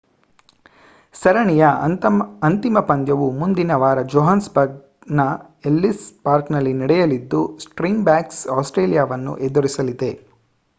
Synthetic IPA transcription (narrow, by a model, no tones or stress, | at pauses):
sɐɾɐɳijɐ | ɐnt̪imɐpɐnd̪jɐʋumund̪inɐʋaːɾɐd͡ʒoɦansbɐɡ̚ | nɐ | elːispaːɾknɐlːiniɽɛjɐlid̪ːusʈɾiːmbaːksaːsʈɾeːlijaːʋɐnːṵʔed̪uɾisɐlid̪e̞